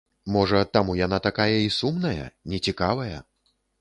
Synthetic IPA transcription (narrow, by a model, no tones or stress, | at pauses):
mɔʐɐt̪amujanat̪akajɐisumnɐjɐ̰nʲɛt͡sʲikavɐjɐ̰